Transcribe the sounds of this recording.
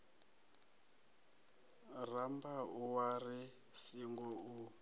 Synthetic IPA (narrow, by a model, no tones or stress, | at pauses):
rambauwari | siŋɡɔu